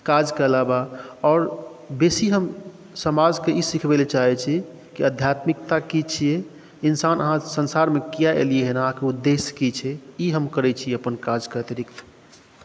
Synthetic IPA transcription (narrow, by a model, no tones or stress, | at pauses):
kad͡ʒkeəlabaɔːɾ | besiɦəm | səmad͡ʒkeʔisikʰbelet͡ʃaɦɛt͡ʃʰi | kiəd̪ʱjat̪mikt̪akit͡ʃʰie | insanʔəɦãsənsaɾmekijaʔḛlieɦenəɦãkeud̪ːeskit͡ʃʰɛiɦəmkəɾɛt͡ʃʰieəpənkad͡ʒkəət̪iɾikt̪